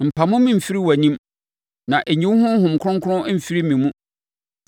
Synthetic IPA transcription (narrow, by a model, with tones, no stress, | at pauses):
m̩˨pʰa˨mʊ̃˦mĩ˦m̩˨fi˦ɾi˦wæ˨ɲĩ˦m | nã˨ʔe˨ɲĩ˦whʊ̃˦hʊ̃˨m˨kʰʊ˦ʊ̃˦ŋ˦kʰʊ˦ʊ̃˦m̩˨fi˦ɾi˦mĩ˨mũ˦